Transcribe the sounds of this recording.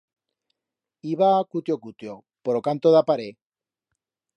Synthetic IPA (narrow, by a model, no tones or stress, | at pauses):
iβaːkut̪jokut̪jo | poɾokant̪oðapaɾe